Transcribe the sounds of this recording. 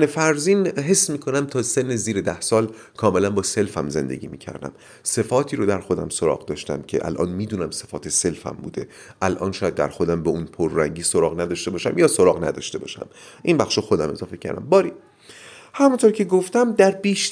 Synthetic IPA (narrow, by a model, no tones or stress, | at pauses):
nefæɾziːnɦe̞sːmiːkʰo̞næmt̪ʰɒːse̞nːeziːɾed̪æhsɒːl | kʰɒːme̞lænbɒːse̞lfæmze̞nd̪e̞̰ɟʲiːmiːcʰæ̰ɾd̪æ̰m | se̞fɒːt̪ʰiːɾod̪æɾxo̞d̪æmsoɾɒ̰ːʁd̪ɒːʃt̪æ̰mcʰe̞̰ʔæ̰lʔɒ̰ːnmiːd̪uːnæmse̞fɒːt̪ʰese̞lfæ̰mbṵːd̪e̞ | ʔælʔɒ̰ːnʃɒːjæd̪ːæ̰ɾxo̞d̪æmbeunpʰoɾːæŋɟiːsoɾɒːɣnæd̪ɒʃt̪e̞bɒːʃæmjɒːsoɾɒːɣnæ̰d̪ɒ̰ʃt̪ebɒ̰ːʃæ̰mʔinbæxʃoxod̪æme̞zɒːfecʰæ̰ɾd̪æ̰mbɒːɾi | hæmunt̪ʰoɾcʰe̞ɡoft̪æmd̪æɾbiːʃ